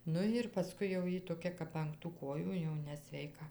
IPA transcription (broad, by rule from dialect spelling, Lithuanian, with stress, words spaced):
ˈnʊ ɪr pɐˈskʊɪ jɛʊ ˈjiː toːˈkʲɛ kɐp ɐŋk tuː ˈkoːjuː jɛʊ nʲɛsʲʋʲɛɪˈkɐ